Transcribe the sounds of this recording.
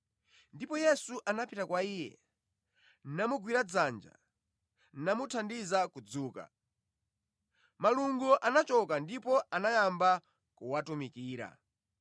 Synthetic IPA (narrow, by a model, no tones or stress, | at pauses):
ndipɔjɛsuʔanapitakwaiːjɛ̰ | n̩namuɡwiɾad͡zand͡ʒa̰ | n̩namutʰandizakud͡zuːka̰ | maluŋɡuʔanat͡ʃɔkandipɔanajamba | kuwatumikiːɾa̰